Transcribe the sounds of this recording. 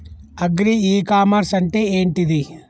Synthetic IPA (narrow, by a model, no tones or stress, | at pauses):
ɐɡɾiiːkaːmaɾsɐɳʈeeːɳʈid̪i